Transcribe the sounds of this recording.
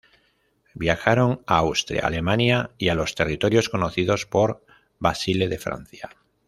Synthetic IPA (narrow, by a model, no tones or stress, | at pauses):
bjaxaɾo̞ŋaawst̪ɾja̰ːle̞mãnjaialo̞st̪e̞rit̪o̞ɾjo̞sko̞no̞θiðo̞spo̞ɾ | basile̞ðe̞fɾa̰n̟θja